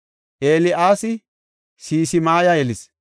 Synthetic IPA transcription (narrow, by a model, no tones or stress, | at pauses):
ʔeːlɪʔaːsɪ | siːsɪmaːjajɛlɪs